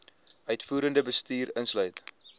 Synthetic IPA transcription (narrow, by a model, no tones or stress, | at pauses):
ʔœɥtfuːɾəndəbəstiːɾənslœɥt